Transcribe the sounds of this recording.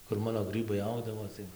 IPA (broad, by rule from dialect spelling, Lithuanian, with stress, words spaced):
kʊr ˈmɑːnoː ˈɡrɨbɐɪ ˈɐʊɡdɐʋoː tɐɪ